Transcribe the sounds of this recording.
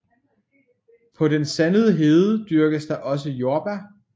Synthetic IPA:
pʰɒ̽ɾensænəð̞ˠəɦeːðˠəd̥yɐɡ̥əsd̥ɑ̈ʔɒ̽s̬əjoːb̥æ

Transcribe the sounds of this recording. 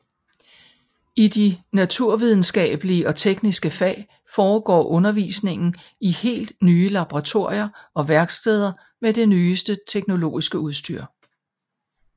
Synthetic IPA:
id̥inæt͡sʰuɐ̰ʋið̞ˠn̩sɡ̥ɛ̰ːb̥əliəʔɒ̽t͡sʰeɡ̥nisɡ̥əfɛ̰ː | fɒːɡ̥ɒ̰ːʔɔ̽nɐʋḭːsne̝ŋn̩ | ihe̝̰ːld̥nyːlɑ̈b̥oʁɑ̈t͡sʰo̝ɐ̰jɐɒ̽ʋæɐɡ̥sd̥eð̞ˠɐ | med̥e̝nyːsd̥ət͡sʰeɡ̥no̝lo̝̰ːisɡ̥əuð̞ˠsd̥y̰ɐ̰

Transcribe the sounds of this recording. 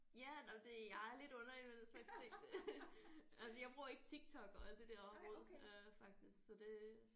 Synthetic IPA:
jænɒmd̥e̝jɑ̈æɐle̝d̥ɔ̽nɐiʋenˠseɡ̥st͡sʰeŋ̰ | ʔælsəjɑ̈ɪb̥ʁuɐ̰e̝ɡ̥ət͡sʰiɡ̥t͡sʰɒ̽ɡ̥ɒ̽æl̰d̥id̥ɛɐ̰ɒ̽mʁɔ̽ð̰ˠøfɑ̈ɡ̥̚d̥isɡ̥sɒ̽d̥e̝

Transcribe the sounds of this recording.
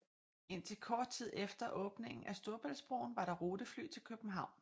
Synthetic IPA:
e̝n̰t͡sʰe̝lkʰɒːd̥̚t͡sʰið̞̰ˠefd̥ɐʔɔ̽ːb̥ne̝ŋn̩æsd̥o̝ɐb̥æl̰sb̥ʁo̰ʊn̩ʋɑ̈ɾ̥ɑ̈ʁoːd̥əfly̰ːt͡sʰe̝lkʰøb̥n̩ɦɑ̈ʊ̰n

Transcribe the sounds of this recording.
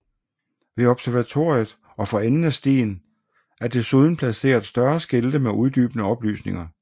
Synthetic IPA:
ʋe̝ɒ̽b̥sæɐʋæt͡sʰo̝ɐijð̩ˠ | ɒ̽fɒ̽enn̩æsd̥ḛːn | æɐd̥e̝suð̞ˠn̩pʰlæse̝̰ːɐðˠsd̥ɶɐsɡ̥e̝ld̥əmeʔuð̞ˠd̥y̰ːb̥ənəɒ̽b̥ly̰ːsne̝ŋɐ

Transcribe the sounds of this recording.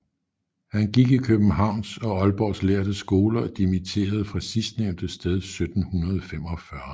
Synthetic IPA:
hænɡ̥iɡ̥ikʰøb̥n̩ɦɑ̈ʊ̰nsɒ̽ɒ̽lb̥ɒsleːɐd̥əsɡ̥o̝ːlɐd̥imit͡sʰe̝̰ːɐð̞̩ˠfʁɑ̈sisd̥neʊnd̥əsd̥eð̞ˠsød̥n̩hunɐð̞ˠfem̰ɒ̽fɶɐ

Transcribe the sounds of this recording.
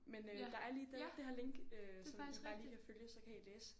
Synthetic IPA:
menød̥ɑ̈æɐliːd̥ed̥eɦɑle̝ŋ̰ɡ̥øsɒ̽msɑliːkʰæføljəsɒ̽kʰæjileːsə̥

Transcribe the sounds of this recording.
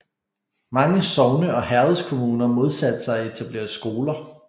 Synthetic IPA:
mɑ̈ŋəsɒʊnəʔɒ̽hæɐð̩ˠskʰo̝muːnɐmo̝ð̞ˠsæd̥əsɑ̈ɪɒet͡sʰæb̥le̝̰ːɐsɡ̥o̝ːlɐ

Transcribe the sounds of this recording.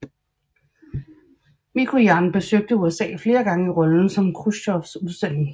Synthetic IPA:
mikʰo̝jɑ̈nb̥e̝søɡ̥̚d̥əuesɛ̰ːfle̝ːɐɡ̥ɑ̈ŋəiʁɒ̽ln̩sɒ̽mkʰʁusɒfsuðˠsd̥en̰eŋ

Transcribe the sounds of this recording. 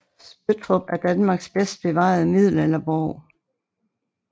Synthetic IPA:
sb̥øt͡sʰʁɔb̥æɐd̥ænmɑ̈ːɡ̥sb̥esd̥̚b̥e̝ʋɑ̈ð̩ˠəmið̞̰ˠl̩elɐbɒʊ̰

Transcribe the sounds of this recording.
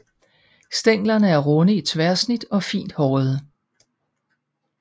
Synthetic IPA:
sd̥eŋ̰lɐnəæɐʁɔnəit͡sʰʋæɐsnid̥ɒ̽fḭːnd̥hɒːð̩ˠə

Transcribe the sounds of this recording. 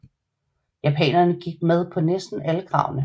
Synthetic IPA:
jæpʰɛ̰ːnɐnəɡ̥iɡ̥̚með̞ˠpʰɒ̽nesd̥n̩æləɡ̥ʁɑ̰̈ʊnə

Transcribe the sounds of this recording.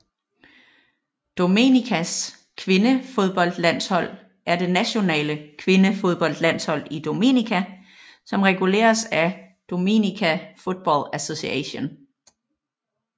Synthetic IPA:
d̥o̝me̝nikʰæs | kʰʋe̝nəfo̝ð̞ˠb̥ɒ̽l̰d̥læn̰shɒ̽l̰ | æɐd̥e̝næɕo̝nɛ̰ːləkʰʋe̝nəfo̝ð̞ˠb̥ɒ̽l̰d̥læn̰shɒ̽l̰id̥o̝me̝̰nikʰæ | sɒ̽mʁɛɡ̥ule̝̰ːɐsæ | d̥o̝me̝̰nikʰæfo̝d̥̚b̥ɒ̰læso̝siɛɕo̝n

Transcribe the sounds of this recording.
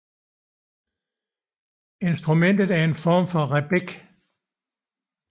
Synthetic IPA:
e̝nsd̥ʁumen̰d̥ð̞̩ˠæɐe̝nfɒːmfɒ̽ʁɛb̥eɡ̥

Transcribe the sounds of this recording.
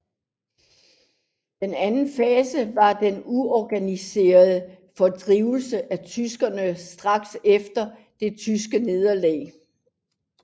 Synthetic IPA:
d̥enænn̩fɛːsəʋɑ̈d̥enuɒɡ̥ænise̝̰ːɐðˠə | fɒ̽d̥ʁiːʊl̩səʔæt͡sʰysɡ̥ɐnəsd̥ʁɑ̈ɡ̥sefd̥ɐ | d̥e̝t͡sʰys̬ɡ̥əne̝ð̞ˠɐlɛ̰ː

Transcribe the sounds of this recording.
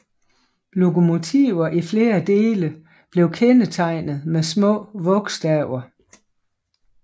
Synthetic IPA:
lo̝ko̝mo̝t͡sʰḭʊ̰ɐʔifle̝ːɐd̥e̝ːlə | b̥le̝ʊkʰenət͡sʰɑ̈ɪ̰nð̩ˠmesmɔ̰̽ːʋɔ̽ɡ̥sd̥æʊɐ

